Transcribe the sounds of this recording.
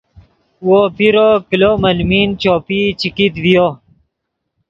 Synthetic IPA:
woːpiɾokilomɐlmiːnt͡ɕoːpit͡ɕikit̪ʋijo

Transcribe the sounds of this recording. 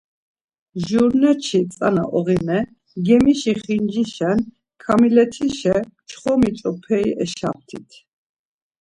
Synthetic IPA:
ʒuɾnɛt͡ʃʰit̪t͡s̪ʼa̰na̰ʔɔɣinɛ | ɡɛmiʃiχind͡ʒiʃɛn | kʰamilɛt̪ʰiʃɛt͡ʃʰχɔmit͡ʃʼɔpʰɛiʔɛʃa̰p̚t̪ʰḭt̪ʰ

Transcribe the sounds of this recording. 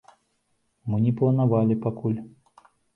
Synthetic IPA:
mɨnʲɛplˠɐnavalʲipakulʲ

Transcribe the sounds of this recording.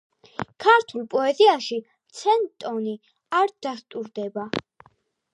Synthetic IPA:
kʰaɾt̪ʰulˠpʼɔɛziaʃi | t̪sʰɛnt̪ʼɔni | aɾd̪̥ast̪ʼuɾd̪ɛba

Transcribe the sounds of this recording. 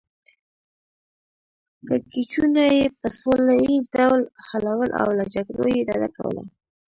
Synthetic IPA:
kəkit͡ʃunajepəsolajizd̪awlhalawəlʔa̰wlad͡ʒaɡɾojed̪ɑd̪aka̰wə̰la̰

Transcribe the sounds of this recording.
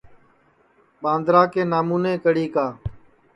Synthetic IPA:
ɓãːnd̪ɾaːkeːnaːmuːneːkəɽiːkaː

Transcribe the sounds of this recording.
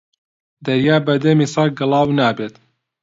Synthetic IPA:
d̪ɐɾjaːbɐd̪emiːsɑɡɨlˠɑːwnaːbet̪

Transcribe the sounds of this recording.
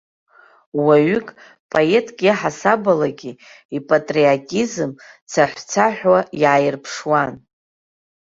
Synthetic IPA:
waɥʏkʼ | pʼoe̞tʼɡʲiħasabalaɡʲi | ipʼatʼriatʼizɨm | t͡sʰaħʷt͡sʰaħʷᶣwajʕajɪrpʰʂwan

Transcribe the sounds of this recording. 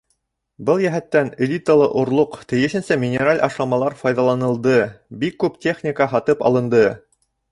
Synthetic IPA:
bɤlˠjæɦæt̪ːænelʲit̪əlˠɤʔŏɾlˠoqt̪ɘ̆jɘ̆ʃɘ̆nsæmʲɪnʲeɾalʲʔɑʃlˠɑmɑlˠɑɾfɑjðɑlˠɑnɤ̆lˠd̪ɤbikːʉptʲe̞χnʲikəɦɑt̪ɤpɑ̰lˠɤ̆nd̪ɤ

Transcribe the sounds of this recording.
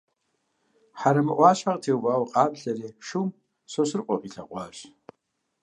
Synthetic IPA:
ħaɾɐmɨʔʷɑːɕħaʁtʰiwvaːwqʼaːpʰɬɐɾiːʃum | sosɨrqʷʼɔqʼiɬʰa̰qʷʼɑːɕ

